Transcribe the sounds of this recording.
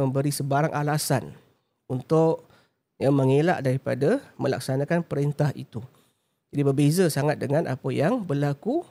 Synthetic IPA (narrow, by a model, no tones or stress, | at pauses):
əmbəɾisəbaɾaŋʔalasan | unt̪ʊʔ | jaməŋela̰ʔdaɾipadaməla̰ksanakanpəɾent̪aɦḭt̪u | d͡ʒadibərbezasaŋat̪̚dəŋanʔa̰pəjaŋbərlaku